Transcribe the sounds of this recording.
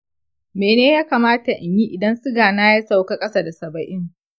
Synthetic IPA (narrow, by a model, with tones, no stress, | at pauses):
meː˨neː˦jaː˦kaː˨maː˦ta˨ʔa˨ɲji˦ʔɪ˨dɐ˦nsʊ˦ɡaː˨naː˦ja˦sa˦˨wka˦kʼɐ˦sa˦da˨sɐ˨bɐ˨ʔɪ˦ŋ